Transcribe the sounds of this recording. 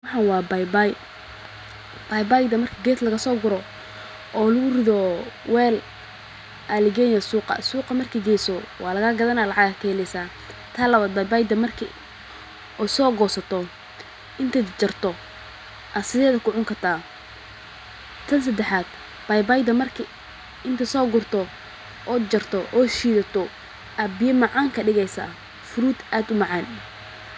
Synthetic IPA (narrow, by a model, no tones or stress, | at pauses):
wɑħɑnwɑːbajbaj | b̥ɐjbajd̪ɐmɐrkʰiɡɛːt̪lɐɣɐsɔːɡʊɾɔ | ʔɔːlʊɣʊrɪðɔwɛːl | ʔalɪɡɛnjɐsuːqɑ̰suːqɐmɐrkʰiːɡɛːsɔwɑ̰ːlɐɣɐɡɐðɐnaːlɑʕɑɡɐkʰɛhɛlɛjsaː | t̪ʰaːlɐβaːd̪̚bajbaːjd̪ɐmɐrkʰi | ɔsɔːɡɔːsɐt̪ʰɔ | ʔɪnt̪ʰɛːt͡ʃɐrt̪ʰɔ | ʔɐsɪðɛːðɐkʰʊʕʊŋkʰɐrt̪ʰaː | t̪ʰɐns̬ɐd̪ɛħaːd̪̥ | b̥ɐjbajd̪ɐmɐrkʰi | ʔɪnt̪ʰɐsɔːɡʊrt̪ʰɔ | ʔɔːd͡ʒɐrt̪ʰɔʔɔːʃiːðɐt̪ʰɔ | ʔabɪjɛmɑʕɑːŋkʰɐɖɪɣɛjsa̰ | fʊɾuːd̪aːd̪ʊmɑʕɑːn